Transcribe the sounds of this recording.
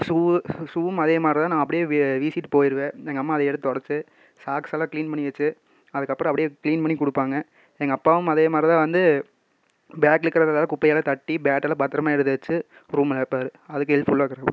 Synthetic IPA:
suːsuːɯmɐðeːmaːd̪ɾɪt̪ãːnãːɐpːɐɽɪjeːʋiːsiʈːɯpoːjɪɾɯʋẽːɛŋɡɐmːaːðɐɛɽɯt̪ːɯt̪ɔɽɐɾt͡ʃːɯ | saːksːlãːkliːnpɐɳːɪʋɐt͡ʃːɯ | ɐðɯkːɐpːɾɔ̃ɐpɐɽɪjekliːnpɐɳːikʊɽɯpːaːŋɡɐ | ɛŋɡɐpːaːʋɯmɐðeːmaːd̪ɾɪt̪ãːʋɐnd̪ɯ | bjaːkɪɾɯkːɪɾɐðlaːlɐ̃kʊpːɐjalɐt̪ɐʈːibjaːʈːɐlɐpaːɾt̪ɪɾɐmaːɛɽɯt̪ːɐʋɐt͡ʃːɯ | ɾuːmlɐpːaːɾɯɐðɯkːɯɛlfʊɭːaːkːɐɾɐ

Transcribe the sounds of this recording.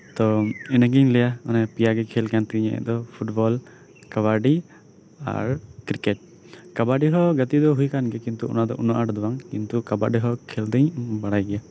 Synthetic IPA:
t̪ɔɛnɛɡɛɲlɛjaɔnɛpijaɡɛkʰɛlkant̪iɲɛ̰ʔɛ̰d̪ɔpʰuʈbɔl | kaβaɾɖi | a̰ɾkɾikeʈ̚ | kabaɖiɦɔɡat̪id̪ɔɦujkanɡɛkint̪uɔ̰nad̪ɔʔunɔʔaʈd̪ɔwaŋkint̪ukabaɖiɦɔkʰɛld̪ɛɲbaɽajɡɛja

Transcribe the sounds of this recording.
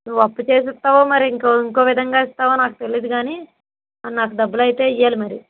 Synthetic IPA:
nuʋːɐpːut͡ʃeːs̬ɛt̪ːaːʋoːmɐɾiːŋkoiŋko̞ːʋid̪ʱɐŋɡaːist̪aːʋoːnaːkut̪e̞liːd̪uɡaːni | ɐnnaːkud̪ɐbːulɐjit̪e̞ːijːaːlimɐɾi

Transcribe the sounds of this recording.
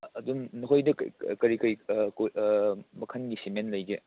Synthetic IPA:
ɐdumnokʰojdɐkkɐɾikɐjk | mɐkʰɐnɡisimenlɐjɡe

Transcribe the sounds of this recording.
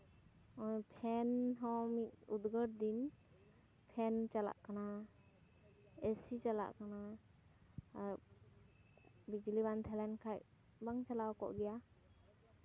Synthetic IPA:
ɔpʰɛnɦɔmit̚ud̪ɡəɾd̪in | pʰɛnt͡ʃala̰ʔkana | esit͡ʃala̰ʔkʰana | bid͡ʒlibant̪ʰɛlɛnkʰaj | baŋt͡ʃalawkɔ̰ʔɡɛja

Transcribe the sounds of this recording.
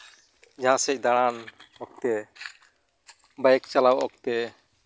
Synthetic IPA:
d͡ʒaɦãsɛc̚ˀd̪aɽ̃anɔk̚t̪ɛ | bajɛk̚t͡ʃalawɔk̚t̪ɛ

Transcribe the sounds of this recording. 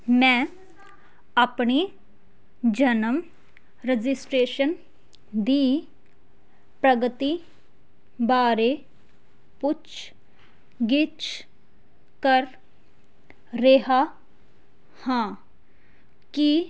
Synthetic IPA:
mɛ̃ː | aːpɳeː | d͡ʒənəm | ɾɛd͡ʒɪsʈɾeːʃən | d̪iː | pɾəɡət̪iː | baːɾe | pʊt͡ʃ | ɡɪt͡ʃ | kəɾ | eɦa | hãː | ki

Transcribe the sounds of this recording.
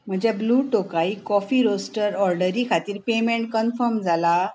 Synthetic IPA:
m̤əd͡ʑjabluːʈokaikɔfiːɾosʈəɾɔɾɖəɾikʰat̪iːɾpemeɳʈ̚kənfəɾmd͡zʱala

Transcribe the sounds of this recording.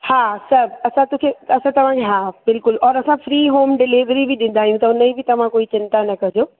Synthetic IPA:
haːsɐbɐsãt̪ũːkʰeɐsãt̪ɐʋ̤ãkʰeɦaːbɪlkʊlɔːɾɐsãfɾiːɦoːmɖɪliʋɾibɪɗɪ̃n̆d̪aːɦijũt̪ɐʊnəibɪt̪ɐʋ̤ãkoːit͡ɕɪ̃nt̪anɐkɐɦɪd͡ʑoː

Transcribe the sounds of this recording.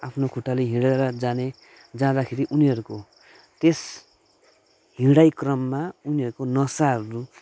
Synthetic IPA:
apʰnokʰuʈːaliɦĩɽaɾʌd͡zane | d͡zãd̪akʰeɾiʔuniʌɾuko | t̪es | ɦĩɽajkrʌmːauniʌɾukonʌsaɦʌɾu

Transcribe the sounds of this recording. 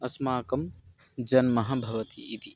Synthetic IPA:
ɐsmaːkɐm | d͡ʒɐnmɐɦɐbʱɐʋɐt̪iːt̪i

